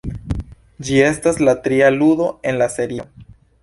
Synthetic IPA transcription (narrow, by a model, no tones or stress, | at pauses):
d͡ʒie̞staslatɾialudo̞e̞nlase̞ɾi